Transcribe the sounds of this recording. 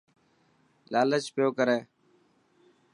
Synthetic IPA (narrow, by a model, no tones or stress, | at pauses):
laːlət͡ʃpɪjoːkəɾeː